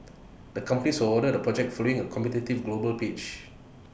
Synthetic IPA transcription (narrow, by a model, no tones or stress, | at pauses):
dəkãmpənisəɔdədəpɹɔd͡ʒɛk̚tfɔloĩŋəkʰɔ̃mpɛtitivɡlobəlpet͡ʃ